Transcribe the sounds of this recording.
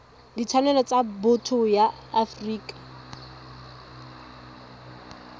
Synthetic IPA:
dit͡sʰanɛlɔt͡sabʊtʰʊjaːfriːkʼḁ

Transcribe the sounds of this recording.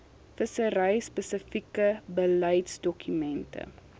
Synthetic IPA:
fəsəɾɐjspəsəfikəbəlɐjtsdɔkymɛntə̰

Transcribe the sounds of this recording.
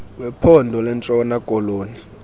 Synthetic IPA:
wɛpʰɔndʱɔlɛnt͡sʼɔnakʼɔloːni

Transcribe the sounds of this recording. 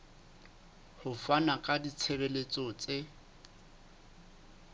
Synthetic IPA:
hʊfanakʼadit͡sʰebelet͡sʼɔt͡sʼe

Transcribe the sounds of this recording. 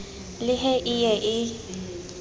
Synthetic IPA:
lɪɦɛʔɪjɛʔɪ

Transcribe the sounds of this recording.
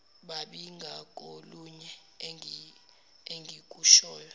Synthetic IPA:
ɓaɓiŋɡʱakʼoluɲɛ | i | eŋɡʱikʼuʃɔːjɔ

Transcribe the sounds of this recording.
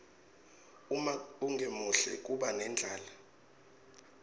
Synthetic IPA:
umauŋɡʱemuɬɛ̰k̬ʼuɓanɛnd͡ɮʱaːla

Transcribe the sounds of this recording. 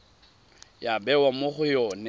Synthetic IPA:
jabɛwamoχʊjɔːnɛ

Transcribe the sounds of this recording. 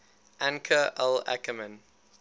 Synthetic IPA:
ʔãŋkʰəʔɛla̰kəmə̃n

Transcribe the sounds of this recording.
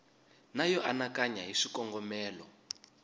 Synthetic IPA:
najɔʔanakaɲaɦiʂikɔŋɡɔmɛːlɔ

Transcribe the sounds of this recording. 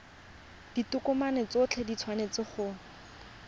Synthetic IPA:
d̥itʊkʊmanet͡sʊt͡ɬʰedit͡sʰwanet͡sɪχʊ

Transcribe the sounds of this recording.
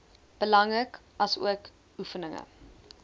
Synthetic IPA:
b̥əlɐŋrək | ɐsṵək | ufənəŋə̰

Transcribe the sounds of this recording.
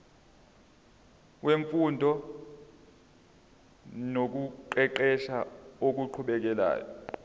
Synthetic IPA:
weɱfundʱɔ | nok̬uǃɛǃɛʃaok̬uǃʰuɓɛk̬ɛla̰ːjɔ

